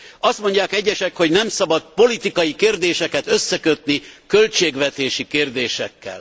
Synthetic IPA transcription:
ɒst̪mo̞ɲɟaːkɛɟːɛʃɛkho̞ɟnɛmsɒbɒt̪̚po̞lit̪ikɒjikeːrd̪eːʃɛkɛt̪øsːɛkøt̪nikølt͡ʃeːɡʋɛt̪eːʃikeːrd̪eːʃɛkːɛ̰l

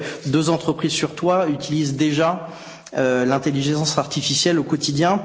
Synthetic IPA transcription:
d̪øzɑ̃t̪χəpχizsyʁt̪wayt̪ilizd̪eʒa | ølɛ̃t̪eliʒɑ̃saʁt̪ifisjɛlokɔt̪id̪jɛ̃

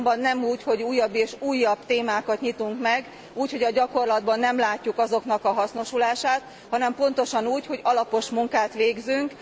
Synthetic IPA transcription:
mbɒnːɛmuːcho̞ɟuːjːɒbːeːʃuːjːɒbt̪eːmaːkɒt̪ɲit̪uŋkmɛɡ | uːchoɟɒɟɒko̞rlɒd̪bɒnːɛmlaːcːukɒzo̞kn̪ɒkɒɦɒsno̞ʃulaːʃaːt̪ | hɒnɛmpo̞nt̪o̞ʃɒnuːcho̞ɟɒlɒpo̞ʃmuŋkaːt̪ʋeːɡzyŋk

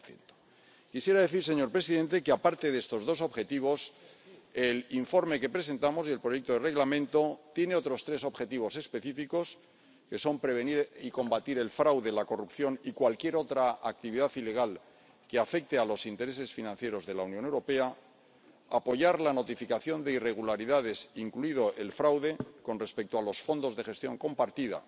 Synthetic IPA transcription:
ḛnt̪o̥ | kisje̞ɾaðe̞θiɾse̞ɲo̞ɾpɾe̞siðẽ̞nt̪e̞keapaɾt̪e̞ðe̞st̪o̞zðo̞s̬o̞βxe̞t̪iβ̞o̞s | e̞liɱfo̞ɾme̞ke̞pɾe̞s̬e̞nt̪amo̞sje̞lpɾo̞je̞k̚t̪oðere̞ɣlamẽ̞nt̪o̞t̪je̞ne̞o̞t̪ɾo̞st̪ɾe̞so̞βxe̞t̪iβo̞se̞spe̞θifiko̞s | ke̞so̞mpɾe̞β̞e̞niɾiko̞mbat̪iɾe̞lfɾawðe̞lako̞rupθjo̞nikwalkje̞ɾo̞t̪ɾaak̚t̪iβiðaθile̞ɣ̞al | ke̞afe̞k̚t̪ealo̞sint̪e̞ɾe̞se̞sfinãnθje̞ɾo̞zðe̞launjone̞wɾo̞pe̞a | apo̞ʝaɾlano̞t̪ifikaθjo̞nd̪e̞ire̞ɣ̞ulaɾiðað̞e̞siŋkluið̞o̞ʔe̞lfɾawðe̞ko̞nre̞spe̞k̚t̪oalo̞sfo̞nd̪o̞zðe̞xe̞st̪jo̞̰ŋko̞mpaɾt̪iða̰

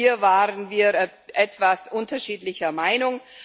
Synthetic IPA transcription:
iːɐvaːʁənviːɐ | ʔɛtv̥asʔʊntɐʃiːtlɪçɐmaɪnʊŋ

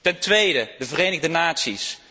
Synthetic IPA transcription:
tɛntʋejdədəvəreːjnəɣdənaːtsis

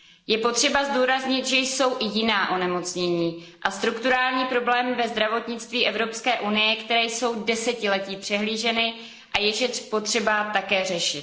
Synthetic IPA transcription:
jɛpo̞t̪r̝̥ɛbazduːɾazɲɪt̪ʒɛjso̞wʔɪjɪnaːʔo̞nɛmo̞t͡sɲɛɲiː | ʔast̪ɾukt̪uɾaːlɲiːpɾo̞blɛːmvɛzd̪ɾavo̞t̪ɲɪt͡st̪viːʔɛvɾo̞pskɛːʔunɪjɛkt̪ɛɾɛːjso̞wdɛsɛcɪlɛciːpr̥ɛɦliːʒɛnɪ | ʔajɛʒɛpo̞t̪r̝̥ɛbat̪akɛːrɛʃɪt̪

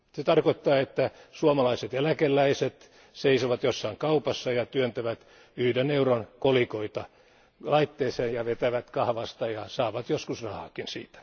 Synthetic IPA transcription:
set̪ɑrkot̪ːɑːet̪ːæsuomɑlɑiset̪jælækelːæiset̪ | seisoʋɑt̪josːɑiŋkɑupɑsːɑjɑt̪yønt̪æʋæt̪ | yhdenːeuronkolikoit̪ɑ | lɑit̪ːeːseːnjɑʋet̪æʋæt̪kɑhʋɑst̪ɑjɑsɑːʋɑt̪joskusrɑhɑːkinsḭːt̪æ̥

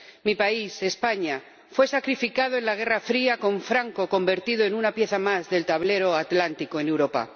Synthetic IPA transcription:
mipaise̞spaɲa | fwe̞sakɾifikað̞oe̞nlaɣ̞e̞rafɾiako̞ɱfɾaŋko̞ko̞mbe̞ɾt̪ið̞o̞e̞nunapje̞θamazðe̞lt̪aβ̞le̞ɾo̞at̪lant̪iko̞ene̞wɾo̞pa̰

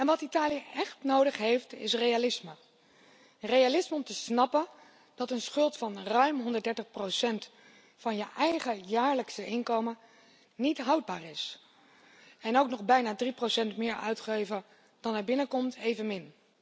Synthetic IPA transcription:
ɛnʋɑtitaːlijəʔɛχtnowdəχɦejftɪ̰srejalɪsmə | rejalɪsməɔmtəsnɑpən | d̥ɑtənsχɵlˠtfɑnrœɥmɦɔndəɹtdɛɹtəχprowsɛnt | fɑnjəʔɛjχəjaːɹləksəʔɪnkowmə | nitɦɑwd̚baːrɪs | ɛnowknɔχbɛjnaːdriprowsɛntmɪːɹœ̰ɥtχejvə | d̥ɑnaɹbɪnəkɔmtʰejvənmɪn

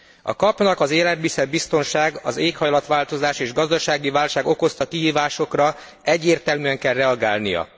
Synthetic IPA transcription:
ɒ̰kɒpnɒkɒzeːlɛd̪̚bisɛd̪̚bist̪o̞nʃaːɡɒ̰zeːkhɒjlɒt̪ʋaːlt̪o̞zaːʃeːʒɡɒzd̪ɒʃaːɡivaːlʃaːɡo̞ko̞st̪ɒkiɦiːvaːʃo̞krɒ | ɛɟːeːrt̪ɛlmyɛŋkɛlrɛɒɡaːlnḭjɒ̰

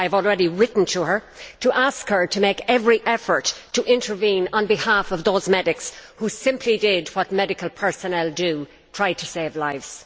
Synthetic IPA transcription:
aɪəvɔlˠɹɛɾiɹɪʔn̩tʰəə˞ | tʰəʔaskhə˞ɾʰəmeɪkɛvɹiʔɛfə˞tʰːəʔɪ̃ntʰə˞vĩnə̃nbɨhafʌvðoʊzmɛɾɪkshusɪ̃mpʰlidɪd̚wɒt̚mɛɾɨkəlˠpʰɜ˞sənɛlˠdə | tʰɹ̥aɪtʰəseɪvlaɪvz̥

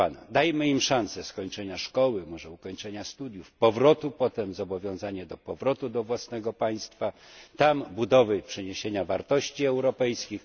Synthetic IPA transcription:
ana̰d̪ajmɘimʂansɛskɔɲt͡ʂɛɲaʂkɔwɘmɔʐɛukɔɲt͡ʂɛɲast̪ud̪ʲjufpɔvɾɔt̪upɔt̪ɛmzɔbɔvʲjɔ̃w̃zaɲɛd̪ɔpɔvɾɔt̪ud̪ɔvwasnɛɡɔpaj̃st̪fat̪ambud̪ɔvɘpʂɛɲeɕeɲavaɾt̪ɔɕt͡ɕiɛwɾɔpɛjskʲix

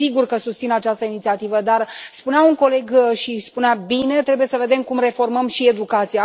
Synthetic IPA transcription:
siɡurkəsust̪sinat͡ʃast̪əinit̪siat̪ivəd̪arspuneauŋko̞le̞ɡʃispuneabine̞t̪ɾe̞buje̞səve̞d̪e̞mkumre̞fo̞rməmʃie̞d̪ukat̪sija

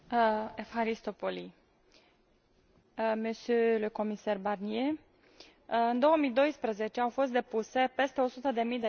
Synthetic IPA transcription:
efhaɾist̪opoli | mesulujko̞misarbarnie | ɨnd̪o̞wəmijd̪o̞jspɾəze̞t͡ʃeawfo̞s̬t̪̚d̪e̞puse̞pe̞st̪e̞o̞sut̪əd̪e̞mijd̪e

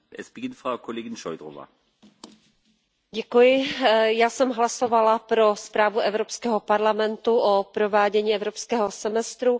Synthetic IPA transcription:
ʔɛsb̥ɛɡɪntfʁ̥aʊkʰɔleːɡɪnʃɔʏdʁɔva̰ | ɟɛkujɪjaːsɛmɦlasovalapɾospɾaːvuʔɛvɾopskɛːɦopaɾlamɛnt̪uʔopɾovaːɟɛɲiːɛvɾopskɛːɦosɛmɛst̪ɾu

